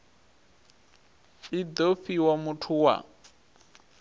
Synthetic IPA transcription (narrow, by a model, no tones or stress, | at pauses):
id̪ofiwamutʰuwa̰